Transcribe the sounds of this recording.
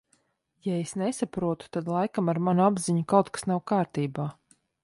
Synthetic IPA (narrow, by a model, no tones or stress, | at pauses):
jaesnesapɾuɔt̪u̥t̪ad̪lˠajkamaɾmanuabziɲukawt̪̚kḁsnawkaːɾt̪iːbaː